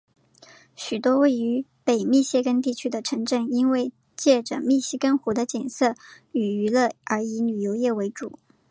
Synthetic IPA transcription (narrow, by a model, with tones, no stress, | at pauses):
ɕy˨˩t̪wɔ˥we˥˩ɪy˧˥pe˨˩ɪmi˥˧ɕjɛ˥˩kə˥nt̪i˥˩t͡ɕʰy˥d̪ə˨ʈ͡ʂʰɤ˧˥ŋʈ͡ʂə˥˩ni˥nwe˥˧ɪ | t͡ɕjɛ˥˩ʈ͡ʂə˨˩mi˥˩ɕi˥kə˥nxu˧˥d̪ə˧t͡ɕjɛ˨˩nsɤ˥˩ | y˨˩y˧˥lɤ˥˩ʔə˞˧˥i˧˥ny˨˩jo˧˥ʊjɛ˥˩we˧˥ɪʈ͡ʂṵ˨˩˦